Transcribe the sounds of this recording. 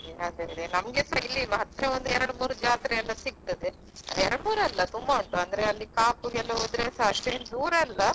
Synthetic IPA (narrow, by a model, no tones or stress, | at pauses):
ɐd̪eʋid̪enɐmɡesɐjlimɐɦɐt̪ːɾeʋond̪uɛɾɐɽmuːɾud͡ʒaːt̪ɾeɛlːɐsiɡ̚t̪ɐd̪e | ɐ̰ɛɾɐɽmuːɾɐlːɐt̪umbɐuɳʈːuɐnd̪ɐɾeɐlːikaːpuɛlːɐod̪ɾesaɐʂʈ̪ed̪uːɾɐlːɐ